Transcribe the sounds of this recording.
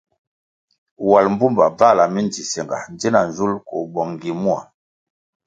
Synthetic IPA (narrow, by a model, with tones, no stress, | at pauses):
wa˨lm˦bu˦mba˨va˦˨la˨mi˦nd͡zi˨sɛ˨ŋɡa̰˨nd͡ʒɛ˦na˨nzu˦lko̰˨bɔ˨ŋŋ˨ɡi˨mu˦a̰˨